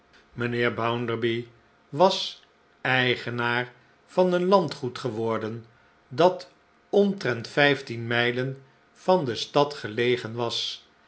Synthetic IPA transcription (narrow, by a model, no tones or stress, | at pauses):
mənɪːɹbawndəɹbi | ʋɑs | ɛjχənaːɹ | fɑnənlɑntχutχəʋɔɹdən | dɑt | ɔntrɛntfɛjftinmɛjlən | v̥ɑndəstɑtχəlejχənʋɑs